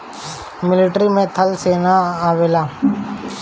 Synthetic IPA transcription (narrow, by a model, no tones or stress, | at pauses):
mɪlɪʈɾimẽt̪ʰəlseːnaaːʋeːlaː